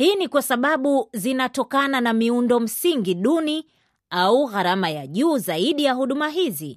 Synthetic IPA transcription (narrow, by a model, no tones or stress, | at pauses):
hinikwasaɓaɓuzinatɔkananamiundɔm̩siŋɡiɗuni | auɣaɾamajaʄuːzaiɗijaɦuɗumaɦizi